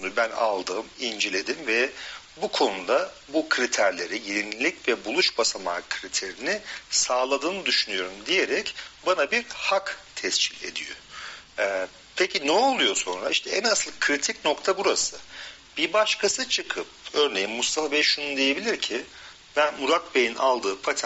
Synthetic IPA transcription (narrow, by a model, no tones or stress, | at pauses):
nubæna̰lˠd̪ɯːmind͡ʒe̞lʲe̞d̪imvɛ | bukʰo̞nud̪a | bukʰɾit̪ʰæɾlʲe̞ɾijiɾinilʲicvɛbulˠuʃbasamaːkʰɾit̪ʰeɾinɪsaːlˠad̪ɯːnɯd̪yʃynyjo̞ɾumd̪ije̞ɾɛcbanabiɾhakt̪ʰɛst͡ʃʰilʲe̞̰d̪ḭjo̰ɛ | pʰecʰinɛo̞lˠujo̞so̞nɾa̰iʃt̪ʰɛɛnasɯlˠkʰɾit̪ʰicno̞kt̪ʰabuɾasɯ | b̥iɾbaʃkʰasɯt͡ʃʰɯkʰɯp̚ø̞ɾne̞jinmust̪afabɛʃunund̪eje̞bilʲiɾcʰi | b̥ænmuɾat̪̚bejinʔa̰lˠd̪ɯːpʰat̪ʰ